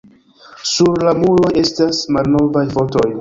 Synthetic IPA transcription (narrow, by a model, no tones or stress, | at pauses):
suɾlamulo̞e̞stasmalno̞vajfo̞to̞j